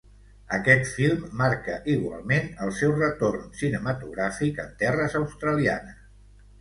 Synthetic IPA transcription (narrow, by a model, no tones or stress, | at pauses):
əkɛt̪filˠmːaɾkəʔiɣwa̰lˠmenəlˠsɛwrət̪ornsinəmət̪uɣ̞ɾafikənt̪ɛrəzəwst̪ɾəlia̰nəs